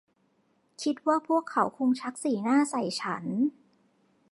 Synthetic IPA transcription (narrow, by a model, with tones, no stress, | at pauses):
kʰi˦˥t̪̚waː˥˩pʰu˥˩əkʰːa˩˦wkʰu˧ŋt͡ɕʰa˦˥k̚siː˨˩˦naː˥˩sa˨˩jt͡ɕʰa˦˥n